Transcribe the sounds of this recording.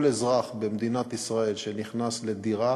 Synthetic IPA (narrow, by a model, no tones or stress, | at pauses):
lezʁaχbemd̪inat̪isʁae̞lʃeniχnasled̪iʁa